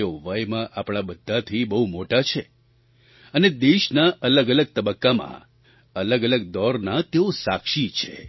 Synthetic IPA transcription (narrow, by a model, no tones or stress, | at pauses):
eoʋəjmãʔapɽ̃abəd̪ʱːat̪ʰibəɦumoʈat͡ʃʰe | əned̪eʃnaʔələɡələɡ̚t̪əbəkːamã̰ | ələɡələɡd̪ɔɾnat̪eosa̰kʃit͡ʃʰḛ